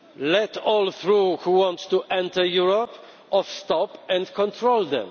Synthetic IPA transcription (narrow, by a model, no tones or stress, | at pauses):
lɛtɔlθɹuhuwɔ̃nttuʔɛ̃nt̪əjuɹɔp | ɔfst̪ɔpɛ̃ndkʰɔ̃nt̪ʰɹold̪ɛ̰̃m